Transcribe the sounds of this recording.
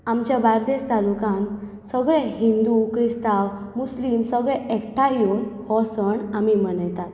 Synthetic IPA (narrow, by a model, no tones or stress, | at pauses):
amt͡ɕjabaɾd̪est̪alukãn | səɡɭɛɦind̪ukɾist̪awmuslimsəɡɭɛɛkʈʰajumhɔsəɳamimənəjt̪at̪